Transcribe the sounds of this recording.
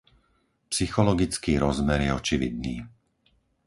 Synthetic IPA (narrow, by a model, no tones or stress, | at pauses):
psixɔlɔɡit͡skiːɾɔzmɛɾjɛɔt͡ʃiʋḭd̪̚niː